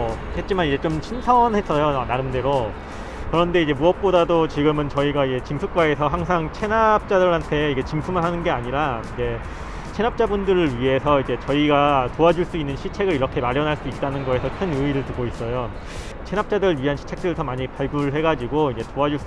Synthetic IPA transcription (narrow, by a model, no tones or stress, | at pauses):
he̞t̚t͡ɕ͈imanid͡ʑe̞t͡ɕomɕʰinsʰʌnhe̞s͈ʌjoanaɾɯmde̞ɾo | kɯɾʌnde̞id͡ʑe̞muʌp̚p͈odadot͡ɕiɡɯmɯnt͡ɕʌiɡaid͡ʑe̞t͡ɕimsʰuk̚k͈wae̞sʰʌɦaŋs̬ʰaŋt͡ɕʰe̞nap̚t͡ɕ͈adɯɭantʰe̞iɡe̞t͡ɕimpʰumɯnɦanɯnɡe̞aɲiɾaid͡ʑe̞ | t͡ɕʰe̞nap̚t͡ɕ͈abundɯɾɯɭɥiɦe̞sʰʌid͡ʑe̞t͡ɕʌiɡatoad͡ʑuɭs͈uinːɯnɕʰit͡ɕʰe̞ɡɯɾiɾʌkʰe̞maɾjʌnɦaɭs͈uit̚t͈anɯnɡʌe̞sʰʌkʰɯnɯiɾɯɭtuɡois͈ʌjo | t͡ɕʰe̞nap̚t͡ɕ͈adɯɾɯɭɥiɦanɕʰi̥t͡ɕʰe̞k̚t͈ɯɾɯsʰʌmaɲipaɭɡuɭɦe̞ɡad͡ʑiɡoid͡ʑe̞toad͡ʑuɭs͈